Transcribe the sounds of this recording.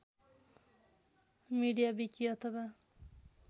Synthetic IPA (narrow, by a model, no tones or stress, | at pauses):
miɽijabikiʌt̪ʰʌwa